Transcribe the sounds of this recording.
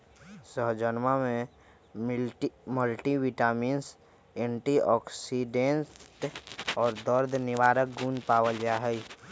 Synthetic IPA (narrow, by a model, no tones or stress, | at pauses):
səɦd͡ʒənmamẽ | məlʈiwiʈaːmiːns | ẽɳʈiɔksiɖentʈɔːɾd̪əɾd̪ʱnɪʋaːɾək̚ɡũːnpaːwəld͡ʒaɦɛi